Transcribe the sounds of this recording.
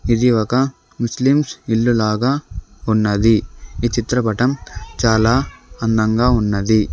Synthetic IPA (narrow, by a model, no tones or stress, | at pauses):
id̪iɔkɐ | muslimsiɭːulaːɡaːunːɐd̪iit͡ʃit̪ɾɐpɐʈɐmt͡ʃaːlaːɐnd̪ɐŋɡaːunːɐd̪i